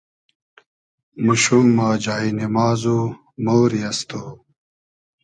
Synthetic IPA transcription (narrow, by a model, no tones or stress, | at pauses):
muɕumːaːd͡ʑaːinimaːzu | moːɾiɐst̪o